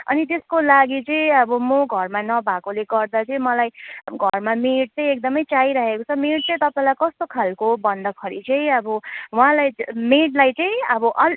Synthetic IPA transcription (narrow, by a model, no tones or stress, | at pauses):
ʌnit̪eskolaɡit͡sʌĩʌbʌmoɡʱʌrmanʌbʱakoleɡʌrd̪at͡sʌĩmʌlajɡʱʌrmameʈ̚t͡sʌĩek̚d̪ʌmʌjt͡saiɾʌɦekot͡sʰʌmeʈ̚t͡sʌĩt̪ʌpaĩlajkʌst̪okʰalkobʌnd̪ʱʌkʰʌɾḭt͡sʌ̃ĩʌbʌwɦãlajmeʈlajt͡sʌ̃ĩʌbʌʔʌ